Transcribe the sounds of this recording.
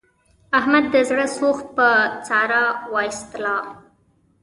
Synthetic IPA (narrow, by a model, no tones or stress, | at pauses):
ahmad̪ːəzɽəsoxt̪̚pət͡sɑɾɑwɑist̪lɑ